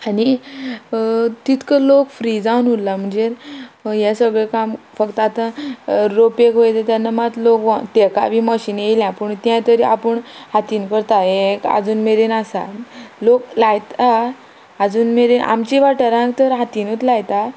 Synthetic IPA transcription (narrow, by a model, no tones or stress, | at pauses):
ani | t̪it̪kəlokfɾid͡zawnulːam̤əɳd͡zejasəɡɭekam | fəkt̪əat̪ãɾopekɦojt̪at̪janːamat̪lokʋat̪eka̰bʱiməɕiːnjeljãpəɳt̪jãt̪əɾiapəɳhat̪iːnkəɾt̪aeka̰d͡zuːnmeɾenasa̰loklajt̪aː | d͡zuːnmeɾenʔa̰mt͡ɕiʋaʈəɾãkt̪əɾɦat̪iːnut̪lajt̪a